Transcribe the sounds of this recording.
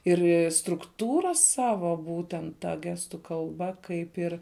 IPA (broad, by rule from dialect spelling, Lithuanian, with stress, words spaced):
ˈɪrʲ strʊkˈtuːrɐ ˈsɑːʋoː ˈbuːtʲɛnt ˈtɐ ˈɡʲæːstʊ kɐlˠˈbɐ ˈkɐɪp ɪr